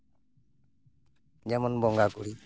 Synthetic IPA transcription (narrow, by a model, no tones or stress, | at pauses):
d͡ʒamɔnbɔŋɡakuɾi